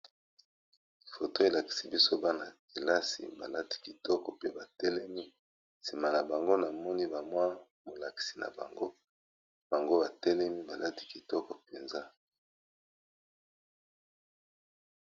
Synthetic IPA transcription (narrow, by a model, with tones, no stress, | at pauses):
fo˨to˦e˨la˨ki̥˨si˦bi˦so˦ba˦na˨ki˨la˦sḭ˨ba̰˨la˦ti̥˦ki˨tɔ˦kɔ˨pe˦ba˨tɛ˦lɛ˦mi˦ | si˨ma˨na˨ba˨ŋɡo˦na˨mɔ˦ni˦ba˨mwa˦ | mo˨la˨ki̥˨si̥˨na̰˨ba̰˨ŋɡo˦ | b̥a˨ŋɡo˦ba˨tɛ˦lɛ˦mi˦ba˨la˦ti̥˦ki˨tɔ˦kɔ˨pe˨nza˦